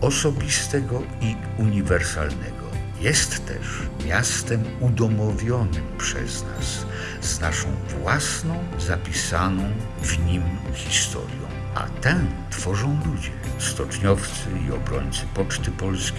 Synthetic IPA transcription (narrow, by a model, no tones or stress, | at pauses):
ɔsɔbʲist̪ɛɡɔ | i | uɲivɛɾsa̰lnɛɡɔ | jɛst̪ːɛ̰ʂmʲjast̪ɛmud̪ɔmɔvʲjɔnɘmpʂɛ̰zna̰s | znaʂɔ̰̃w̃vwasnɔ̃w̃zapʲisanɔ̃w̃ | vɲimxʲist̪ʰɔ̰ɾʲjɔ̰̃w̃ | ʔa̰t̪ɛt̪fɔʐɔ̃w̃lud͡ʑɛst̪ɔt͡ʂɲɔft̪sɘiɔbɾɔɲt̪sɘpɔt͡ʂt̪ɘpɔlskʲi